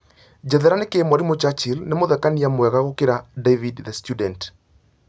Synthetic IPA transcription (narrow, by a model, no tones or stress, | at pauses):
d͡ʒɛðɛɾanekemwaɾimot͡ʃat͡ʃilnemoðɛkaniamwɛɣaɣokeɾadevidðɛstjudɛnt